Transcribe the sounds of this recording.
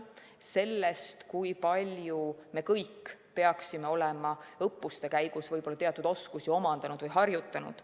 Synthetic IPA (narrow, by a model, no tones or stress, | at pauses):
se̞lːest̪kujpɑlʲjume̞kɤjkːpe̞ɑksime̞o̞lemɑɤpˑːust̪e̞kæjɡ̥usvɤjb̥o̞lːɑt̪eɑt̪ːˑud̪o̞skusio̞mɑnd̪̥ɑnud̪̥vɤjɦɑrjut̪ːˑɑnṵd̪̥